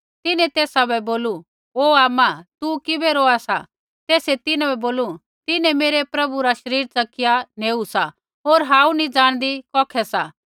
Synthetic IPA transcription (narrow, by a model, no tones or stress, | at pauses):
t̪ɪnɛ̃t̪eːsabɛboːlu | oːaːmat̪ukɪbɛɾoaːsa̰ | t̪eːset̪ɪnɛ̃bɛboːlu | t̪ɪnɛ̃meːɾepɾɐbuɾaʃɐɾiːɾt͡sɐkɪjaneːusa | ɦoːɾɦãːũnid͡zaːɽ̃d̪ikɔːkʰɛsa